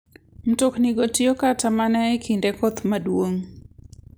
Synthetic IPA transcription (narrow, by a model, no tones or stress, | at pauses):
m̩tokniɡotjokatamanɛekʰindekot̪madwoŋ